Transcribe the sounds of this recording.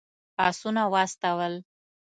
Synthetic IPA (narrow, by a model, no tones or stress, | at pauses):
ɑsunawast̪awəl